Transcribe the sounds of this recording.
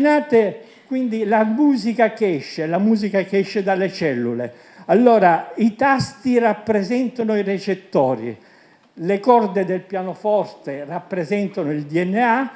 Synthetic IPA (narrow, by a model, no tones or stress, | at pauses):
naːt̪e | kwind̪ilamuːzikakɛʃːelamuːzikak̟eɛʃːed̪alːet͡ʃɛlːulḛ | alːoːɾait̪ast̪irapːɾezɛnt̪anoiret͡ʃet̪ːɔːɾḭ | lekɔrd̪ed̪elpjaːnofɔrt̪erapːɾezɛnt̪anoild̪iɛnːea